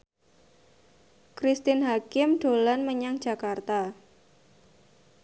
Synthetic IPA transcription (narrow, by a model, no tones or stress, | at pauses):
kɾist̪ɪnɦakɪmɖ̥olanməɲaŋ̥d͡ʒ̥a̤kart̪a